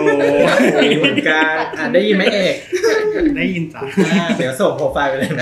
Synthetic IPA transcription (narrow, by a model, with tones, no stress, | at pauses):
mɯ˨˩˦nkaː˧ʔaː˨˩t̪̚daː˥˩ji˧nma˥˩ʔeː˨˩k̚da˥˩ji˧na˨˩˦d̪i˩˦wso˨˩pʰoː˧˩faː˧pe˧nla˧˩m˦˥